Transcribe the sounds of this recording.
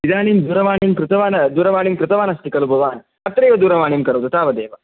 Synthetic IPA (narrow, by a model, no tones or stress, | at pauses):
ʋid̪aːɳ̃iːmd̪uːɾɐʋaːniːmkɾɪt̪ɐʋaːnɐd̪uɾɐʋaːɳimkɾɪt̪ɐʋaːnɐst̪ʰikɐlubʱɐʋaːn | ɐt̪ːɐɾeːʋɐd̪uɾɐʋaːɳiːmkɐɾɐwt̪ut̪aːʋɐd̪eːʋɐ